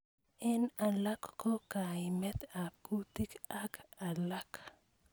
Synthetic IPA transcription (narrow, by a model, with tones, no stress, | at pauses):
ɛ˦na˨la˦kːɔ˦ka˨ɪmɛ˦t̪a˨ku˦t̪i˦ka˦ka˨la˦k